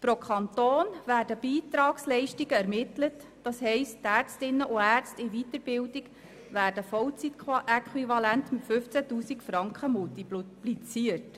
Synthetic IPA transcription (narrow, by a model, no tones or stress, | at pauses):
pɾokʰɑnt̪oːnvæːrdəb̥iːt̪ɾɑːkslɛɪʃtiɡəæɾmɪtlət | d̥ɑshɛɪsttæːɾt͡stɪnːəʔʊæːrt͡stɪʋit̪əɾbɪldiɡ | ʋæːɾd̥əfɔwt͡siʔɛkχwivɑlæntmɪtfʏft͡sætuːsikfɾɑŋkχəmultipplit͡siərt